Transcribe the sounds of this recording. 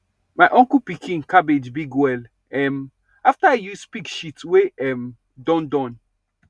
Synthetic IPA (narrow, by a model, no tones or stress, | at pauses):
majʔɔ̃ŋkupikʰĩŋkabed͡ʒbiɡwɛl | ɛm | aftajuspikʃitweʔɛm | dɔ̃ndɔ̃n